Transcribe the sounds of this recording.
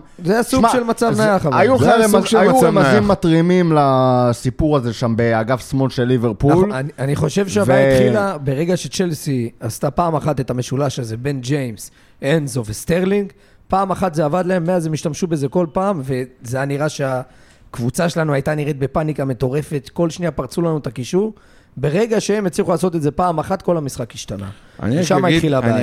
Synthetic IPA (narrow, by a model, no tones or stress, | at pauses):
zeasumɡʃe̞lmat͡savnajaχavajuemaʃajuamazimːat̪ʁimimlasipuʁaze̞ʃambeaɡafsmo̞nʃelːiveʁpulanianiχo̞ʃe̞vʃeavaatχilabe̞ʁe̞ɡaʃe̞t͡ʃe̞lsiast̪apaːmaχat̪e̞t̪ame̞ʃulaʃaze̞be̞nd͡ʒejms | ʔenzovst̪eʁliŋɡ | paːmaχat̪zeavad̪lae̞mːeazemiʃt̪amʃube̞ze̞ko̞lpaːmve̞zejaniʁaʃe̞a | kvut͡saʃe̞lanuajt̪aniʁet̪̚be̞panikame̞t̪o̞ʁe̞fe̞t̪ko̞lʃniapaʁt͡sulanuet̪akiʃuʁ | be̞ʁe̞ɡaʃeemet͡sliχulaːso̞t̪etzepaːmaχat̪ko̞lamisχakhiʃt̪ana̰ | nʃamaitχilaba